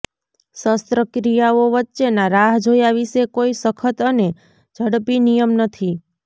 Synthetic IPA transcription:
səst̪ɾəkɾijaoʋətːʃenaɾaɦd͡ʒʱojaʋisekoisəkʰət̪əne | d͡ʒʱəɽpinijəmnət̪ʰi

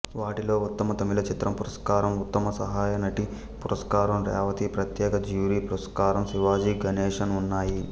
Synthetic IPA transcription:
ʋaːʈilo̞ːut̪ːɐmɐt̪ɐmilɐt͡ʃit̪ɾɐmpuɾɐskaːɾɐmut̪ːɐmɐsɐɦaːjɐnɐʈi | puɾɐskaːɾɐmɾa̰ːʋɐt̪ipɾɐt̪jɛːkɐd͡ʒjuːɾiːpuɾɐskaːɾɐmsiʋaːd͡ʒiɡɐnɛːʂɐnunːaːji

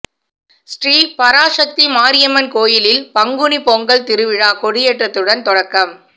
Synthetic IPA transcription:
sʈriːpɐɾaːʂɐk̚t̪imaːɾɪjɐmɐnkoːjɪlɪlpɐŋɡɯnipɔŋɡɐɭt̪ɪɾɯʋɪɻaːkɔɽɪjeːʈrɐt̪ːɯɽɐnt̪ɔɽɐkːɐm

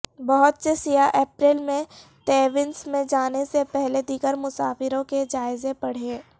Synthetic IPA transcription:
bɐɦʊt̪sesijaʔeːpɾɪːlmẽ | t̪eːʋɪnsmẽd͡ʒaːnesepɛɦled̪iːɡəɾmʊsaːfɪɾõked͡ʒaːɪzepɐɽ̤eː

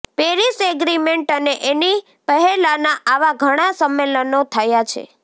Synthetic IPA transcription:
peɾiseɡɾimeɳʈəneʔeni | pəɦɛlanaʔaʋaɡʱəɽ̃asəmːelənot̪ʰəjat͡ʃʰḛ

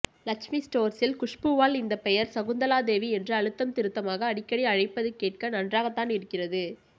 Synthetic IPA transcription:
lɐkʂmisʈoːɾsɪlkʊʂpɯʋaːlɪnd̪ɐpɛjɐɾsɐɣʊnd̪ɐlaːd̪eːʋiɛndrɯɐɻɯt̪ːɐmt̪ɪɾɯt̪ːɐmaːɣɐːɽɪkːɐɽiɐɻɐɪpːɐðɯkeːʈ̚kɐnɐndraːɣɐt̪ːaːnɪɾɯkːɪrɐðɯ

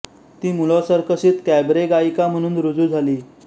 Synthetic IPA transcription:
t̪iːmulɔsəɾkəɕiːt̪kɛbɾeɡaikam̤əɽ̃uːnɾud͡zuːd͡zʱaliː

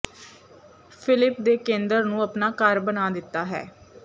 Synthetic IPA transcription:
pʰɪlɪp̚d̪eːkẽːnd̪əɾnũːəpnaːkəɾbənaːd̪ɪt̪ːaːɦɛ̰ː

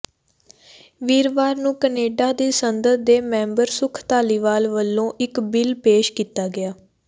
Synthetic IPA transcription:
ʋiːɾʋaːɾnũːkəneːɖaːd̪iːsənd̪əd̪d̪eːmɛ̃ːmbəɾsʊkʰt̪aːliːʋaːlʋəlːõːʔɪkbɪlpeːʃkiːt̪aːɡɪaː

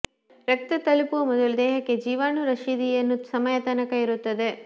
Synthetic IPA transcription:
ɾɐk̚t̪ɐt̪ɐlupuɐmɔd̪ɐlud̪ɛːɦɐkːe̞d͡ʒiːʋaːnuɾɐʃid̪ijɐnːusɐmɐjɐt̪ɐnɐkɐiɾut̪ːɐd̪e̞

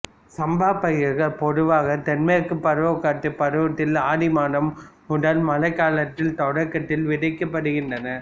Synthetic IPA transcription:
sɐmbaːpːɐɣɐɾɣɐɭpɔðɯʋaːɣɐt̪ɛnmeːɾkːɯpːɐɾɯʋɐkːaːʈ̪ːɯpːɐɾɯʋɐt̪ːɪlaːɽɪmaːnɐm | ʊɽɐlmɐlɐɪkːaːlɐt̪ːɪlt̪ɔɽɐkːɐt̪ːɪlʋɪɽɐɪkːɐpːɐɽɯɣɪndɐnɐ

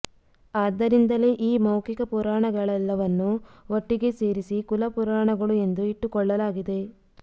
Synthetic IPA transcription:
aːd̪ːɐɾind̪ɐle̞ːʔiːmɐwkikɐpuɾaːɳɐɡɐɭɛlːɐʋɐnːuoʈːiɡe̞se̞ːɾisikulɐpuɾaːɳɐɡɐɭue̞nd̪uiʈːukɔɭːɐlaːɡid̪e̞

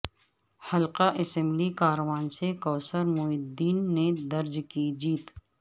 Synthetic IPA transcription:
hɐlqaʔɪsɛ̃mblikaːɾwaːnsekɔːsəɾmʊɪd̪iːnːed̪ɐɾd͡ʒkid͡ʒiːt̪

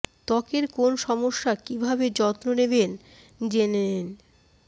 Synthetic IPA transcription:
t̪ɔkeɾkonʃɔmoʃːakibʱabed͡ʑɔt̪noneben | d͡ʑenenen

